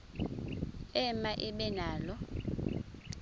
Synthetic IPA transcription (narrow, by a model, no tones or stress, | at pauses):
ɛmaʔiɓɛnaːlɔ